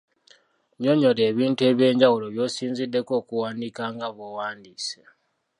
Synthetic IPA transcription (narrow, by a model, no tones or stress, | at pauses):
ɲo̞ɲo̞le̞ːβiːntue̞ːβje̞ːɲɟawulo̞βjo̞ːsiːnzidːe̞ko̞ːkuwaːndikaŋɡaβowaːndiːse